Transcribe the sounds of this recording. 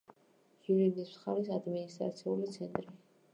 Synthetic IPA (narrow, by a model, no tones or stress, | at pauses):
iɾid̪ismsχaɾis̬ad̪minist̪ʼɾa̰t̪sʰiulit̪sʰɛnt̪ʼɾi